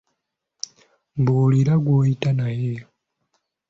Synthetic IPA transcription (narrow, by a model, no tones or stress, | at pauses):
buːliɾaɡwoːjitanaje̞